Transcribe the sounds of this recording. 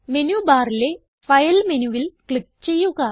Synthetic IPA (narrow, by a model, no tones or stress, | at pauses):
menubaːɾile | fɐjɐlmenuʋilkɭik̚t͡ɕe̞jːuɣɐ